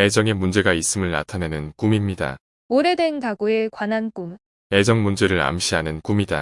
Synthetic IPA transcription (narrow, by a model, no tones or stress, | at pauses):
e̞d͡ʑʌŋe̞mund͡ʑe̞ɡais͈ɯmɯɭna̰tʰane̞nɯnk͈umimɲida̰ | oɾe̞dwe̞nkaɡue̞kwanank͈um | e̞d͡ʑʌŋmund͡ʑe̞ɾɯɾa̰mɕ͈ʰiɦanɯnkumida̰